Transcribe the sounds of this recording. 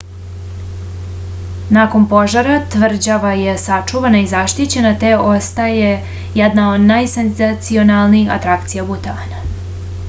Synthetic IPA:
nako̞npo̞ʒaɾat̪ʋr̩d͡ʑaʋaje̞sat͡ʂuʋanaizaʃt̪it͡ɕe̞nat̪eʔo̞st̪aje | jɛd̪naod̪najsenzat̪sio̞nalˠniixa̰t̪ɾakt̪sijabut̪aːna

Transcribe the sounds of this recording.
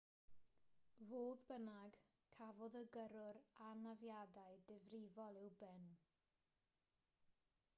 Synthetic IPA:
voːðbənaɡ | kʰavɔðəɡəɾʊɾanavjadajdɪvrɪvɔlˠɪwbɪn

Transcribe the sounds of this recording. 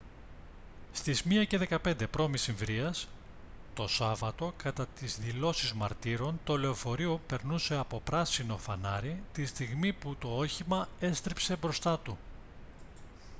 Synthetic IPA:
st̪izmiɐce̞ðe̞kɐpe̞nd̪e̞pɾo̞misiɱvɾiɐs | t̪o̞sɐvɐt̪o̞kɐt̪ɐt̪izðilo̞sizmɐ̰ɾt̪iɾo̞nt̪o̞le̞ofo̞ɾiope̞ɾnuse̞ɐpo̞pɾɐsino̞fɐnɐɾit̪ist̪iɣmiput̪o̞o̞çimɐe̞st̪ɾipse̞bɾo̞st̪ɐt̪u

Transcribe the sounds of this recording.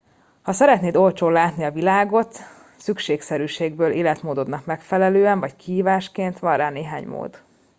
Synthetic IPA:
hɒsɛɾɛt̪neːd̪o̞lt͡ʃoːlaːt̪niɒvilaːɡo̞t̪ | sykʃeːksɛɾyːʃeːɡ̚bøːlʔeːlɛt̪moːd̪o̞d̪nɒkmɛkfɛlɛløːɛɱvɒckiɦiːvaːʃkeːnt̪ʋɒrːaːneːɦa̰ːɲmo̰ːd̪

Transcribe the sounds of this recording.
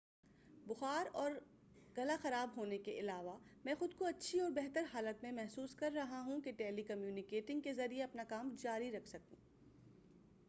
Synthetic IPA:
bʊxaːɾɔːɾ | ɡɐlaxɐɾaːbɦoːnekeʔɪlaːʋamɛ̃ːxʊd̪̚koɐtːʃʰiɔːɾbɛɦt̪əɾɦaːlət̪mẽmɛɦsuːskɐɾːɐɦaɦũkeʈɛːlikɐmjuːnɪkeːʈɪ̃ŋɡ̚kezɐɾieɐpnakaːmd͡ʒaːɾiɾɐkʰsɐkṵ̃ː

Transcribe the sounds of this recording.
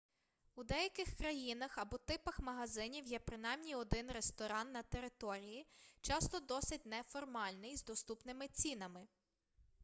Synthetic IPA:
ud̪ɛjɐkɪxkɾɐjinɐxɐbɔt̪ɪpɐxmɐɦɐzɪnʲiwjɛpɾɪn̪ɑjmnʲiɔd̪ɪnɾest̪ɔɾɑnːɐt̪eɾɪt̪ɔɾʲijit͡ʃɑst̪ɔd̪ɔsɪtʲnɛfɔrmɑlʲnɪjzd̪ɔst̪upnɪmɪt͡sʲinɐmɪ

